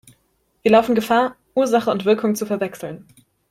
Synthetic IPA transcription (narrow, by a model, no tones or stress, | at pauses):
v̥iːɐlaʊfn̩ɡəfaːɐ | ʔuːɐzaχəʊntv̥ɪɐkʰʊŋt͡sufɛɐvɛksl̩n